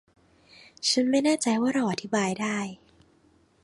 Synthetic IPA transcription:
t͡ɕʰa˦˥nma˥˩jnaː˥˩t͡ɕa˧jwaː˥˩ɾa˧wʔa˧t̪ʰi˦˥baː˧jdaː˥˩j

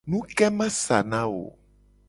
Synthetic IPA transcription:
nũ˦kɛ˦mɛ̃˦sa̰˨nã˦wo̰˨

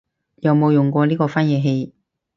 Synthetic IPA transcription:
jɐ˨wmo˨˧wjʊ˨ŋkʷɔː˧liː˥kɔː˧faː˥njɛː˨˧ɦe˧j

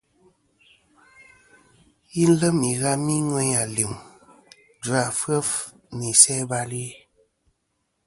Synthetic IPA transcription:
ji˦n̩˦lə˦mi˨ɣa˦mi˦ŋwɛ˦ɲa˨li˨m | dwa˨fə˦f | ni˨sɛ˦ba˧li˦

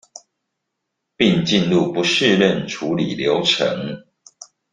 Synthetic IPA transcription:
pi˥˨ŋt͡ɕi˥˨nlu˥˨˩pu˨˦ʂɻ̩˥˧lə˥˨nʈ͡ʂʰu˨˦li˨˩ljo˨˦ʊʈ͡ʂʰə̰˨˦ŋ

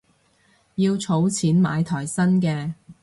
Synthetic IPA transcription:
jiː˧wt͡sʰo˨˥wt͡sʰiː˨˥nma̰ː˨˧jt̪ʰɔː˨˩jsɐ˥nkɛː˧

